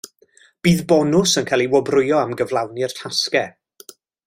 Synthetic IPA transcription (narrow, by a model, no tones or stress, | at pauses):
b̥iːðbɔnʊsənkʰalˠiwɔbrʊjɔamɡəvlˠawnɪr̥tʰaskɛ